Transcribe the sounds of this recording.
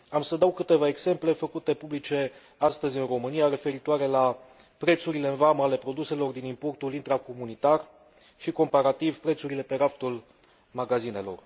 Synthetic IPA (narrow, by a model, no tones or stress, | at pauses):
amsəd̪awkɨt̪e̞vae̞ɡz̥e̞mple̞fəkut̪e̞publit͡ʃe̞ | ast̪əzʲɨnro̞mɨniaɾe̞fe̞ɾit̪oaɾe̞la | pɾe̞t̪suɾile̞ɨnvaməale̞pɾo̞d̪use̞lo̞rd̪inimpo̞rt̪ulint̪ɾako̞munit̪ar | ʃiko̞mpaɾat̪ivpɾe̞t̪suɾile̞pe̞ɾaft̪ul | maɡazine̞lo̞̰r